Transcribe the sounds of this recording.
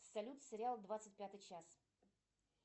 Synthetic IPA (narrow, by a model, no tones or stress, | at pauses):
sɐlʲut̪sʲɨɾʲɪalˠd̪vat̪sɨt̚ʲpʲat̪ɨjt͡ɕas